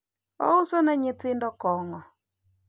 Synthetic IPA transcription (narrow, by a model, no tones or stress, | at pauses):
ɔ̰usɔnɛɲɪt̪ɪndɔkɔŋɔ